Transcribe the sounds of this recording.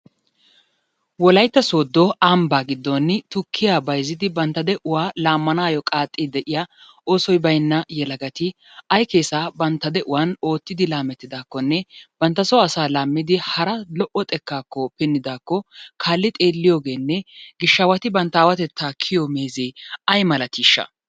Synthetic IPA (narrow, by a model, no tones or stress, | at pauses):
wɔlɐjt̪ːɐso̞ːd̪ːɔambaːɡɪd̪ːɔnːɪt̪ʊkʰːɪjaːbɐjzɪd̪ɪbɐnt̪ːɐd̪ɛʔʊwaːlaːmːɐnaːjɔkʼaːt̪ʼːɪd̪ɛʔɪja | o̞ːsɔjbɐjnːɐjɛlɐɡɐt̪ɪ | ɐjkeːsaːbɐnt̪ːɐd̪ɛʔʊwano̞ːt̪ːɪd̪ɪlaːmɛt̪ːɪd̪aːkːɔnːɛb̥ɐnt̪ːɐsɔɐsaːlaːmːɪd̪ɪhɐɾɐlɔʔɔt̪ʼɛkːaːkːɔpɪnːɪd̪aːkːɔkʰaːlːɪt̪ʼeːlːɪjoːɡe̞ːnːɛɡɪʃːɐwɐt̪ɪbɐnt̪ːɐaːwɐt̪ɛt̪ʰːaːkʰɪjɔmeːzeːɐjmɐlɐt̪iːʃːɐ̰